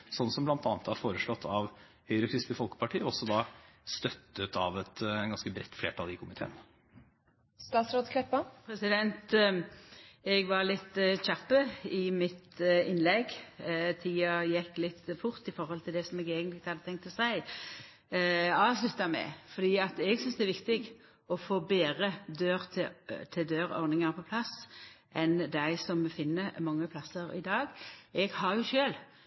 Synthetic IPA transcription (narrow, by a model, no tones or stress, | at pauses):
sɔnːəsɔmblɑnt̪ɑːnət̪hæɾfoːɾəʂɭɔt̪ʰːɑʋ | hœʏɾəkʰɾɪst̪əfɔlkə̥pʰɑʈʰiːɔsːɔd̪ɑst̪œt̪ːət̪ɑʋɛt̪ɛnɡɑnskəbɾɛt̪ːflḛːʈʰɑlɪkʰʊmɪt̪ʰḛːənə | st̪ɑːt̪sɾoːd̪kʰlɛpːɑpʰɾɛsɪd̪ɛnt̪ | ɛɡʋɑɾlɪt̪ːçɑpːəɪmɪt̪ɪnlɛɡt̪ʰiːɑjɛkːlɪt̪ːfʊʁt̪ɪfɔɾhɔlt̪ʰɪld̪ɛsɔmɛɡeːɡənt̪lɪhɑd̪ːət̪ʰɛŋk̚t̪ɔsæɪ | ɑːʋslʉt̪ːɑmɛ̰fɔd̪iːɑt̪ɛɡsʏnsd̪ɛʋɪkt̪ɪɡ | ɔfoːbeːʁəd̪øːʁt̪ʰɪld̪øːʁɔ̰ʁnɪŋɑɾpʰɔpʰlɑsʔɛnd̪æɪsɔmfɪnːəmɑŋːəpʰlɑsəɾɪ̰d̪ɑːɡɛɡhɑʁjʊʃøːl